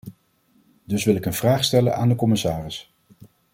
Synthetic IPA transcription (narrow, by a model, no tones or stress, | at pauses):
dɵsʋɪlˠɪkənvraːχstɛlə̰naːndəkɔmɪsaːrɪs